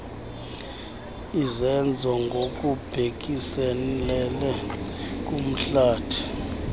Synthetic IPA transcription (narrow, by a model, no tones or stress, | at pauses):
izɛnd͡zʱɔŋɡʱokʼub̥ʱek̬ʼisɛlɛlɛk̬ʼum̩ɬaːtʰi̥